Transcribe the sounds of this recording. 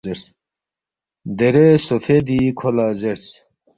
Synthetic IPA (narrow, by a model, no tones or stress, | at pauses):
eɾs | d̪eɾesofed̪ikʰolaːzeɾs